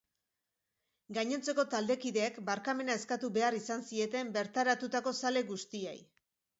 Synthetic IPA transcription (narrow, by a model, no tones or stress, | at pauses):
ɡaɲo̞nt͡se̞ko̞t̪ald̪e̞kiðe̞ːkbaɾkame̞naeskat̪uβe̞arisansie̞t̪e̞mbe̞ɾt̪aɾat̪ut̪ako̞sale̞ɣust̪iḛj